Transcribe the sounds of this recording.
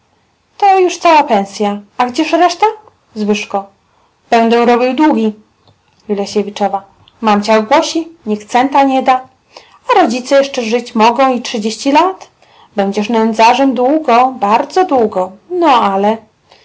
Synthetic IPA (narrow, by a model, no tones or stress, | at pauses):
t̪ɔjuʂt̪sawapɛ̃ñsʲjaaɡd͡ʑɛʂɾɛʂt̪a | zvɘʂkɔ | b̥ɛnd̪ɛɾɔbʲiwd̪wuɡʲi | jilɛɕevʲit͡ʂɔva | mamt͡ɕawɡwɔɕiɲikt̪sɛnt̪aɲɛd̪a | aɾɔd͡ʑit̪sɛjɛʂt͡ʂɛʐɘt͡ɕmɔɡɔ̃w̃itʂɨd͡ʑeɕt͡ɕilat̪ | bɛɲd͡ʑɛʂnɛnd̪zaʐɛmd̪wuɡɔbaɾd̪zɔd̪wuɡɔnɔalɛ